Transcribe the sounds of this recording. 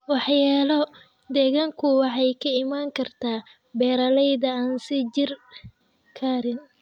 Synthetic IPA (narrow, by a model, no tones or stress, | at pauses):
wɑħjaːlɔ | d̪ɛɣaːŋkʰʊwɑħɑjkʰɐɪmaːŋkʰɐrt̪ʰaː | bɛːɾɐlɛjðɐaːnsɪd͡ʒɪr | kʰaːɾɪn